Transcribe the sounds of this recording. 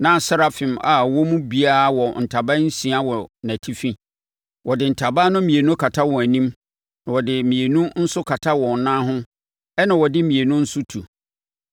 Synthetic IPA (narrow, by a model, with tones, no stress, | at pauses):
nã˨˦˨sa˦ɾa˦fɪ̃˨ma˨wɔ˦mũ˦bi˦a˦wɔ˨n̩˨tʰa˨ba˦n̩˦sĩ˨a˦wɔ˨næ̃˨tʰi˦fĩ˦ | wɔ˨dɪ˨n̩˨tʰa˨ba˦nʊ̃˦mĩ˨e˨nũ˦kʰa˨tʰa˦wɔ̃˨æ˨nĩ˦m | nã˨wɔ˨dɪ˨mĩ˨e˨nũ˦n̩˦sʊ˦kʰa˨tʰa˦wɔ̃˨n˨nã˦ɦʊ̃˦ | ɛ˦nã˨wɔ˨dɪ˦mĩ˨e˨nũ˦n̩˦sʊ˦tʰu˨